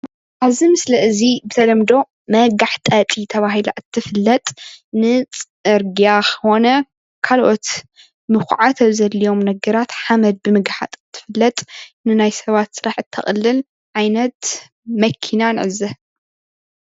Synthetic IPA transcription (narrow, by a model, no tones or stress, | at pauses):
ʔaβzimɨslɐʔɨzibɨt̪ʰɐlɐmd̪o̞ | mɐɡaħt̪ʼɐt̪ʼit̪ʰɐβaɦila̰ʔɨt̪ʰːɨfɨlːɐt̪ʼnɨt͡sʼ | ɨɾɡiakʰɐ̥xo̞nɐ | kʰalʔo̞t̪ | mɨxʷʕat̪ʰɐβzɐlːijo̞mnɐɡɐɾat̪ħamɐd̪̚bɨmɨɡaħa̰t̪ʼt̪ʰːɨ̥fɨlːɐt̪ʼnɨnajsɐβat̪sɨɾaħɨt̪ʰːɐ̰χʼlːɨl | ʕajnɐt̪ | mɐkʰinanɨʕɨzɐ